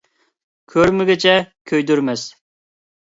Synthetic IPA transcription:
kʲʰøɾmɪɡʲɪt͡ʃʰɛkʲʰøjd̪yɾmɪs

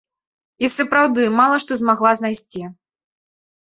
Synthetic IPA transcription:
isɐpɾawd̪ɨmalˠɐʂt̪ɔzmaɣlˠaznajsʲt͡sʲi

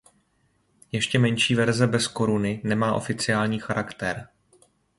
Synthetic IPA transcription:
jɛʃcɛmɛɲʃiːvɛɾzɛbɛsko̞ɾunɪnɛmaːʔo̞fɪt͡sɪjaːlɲiːxaɾakt̪ɛɾ

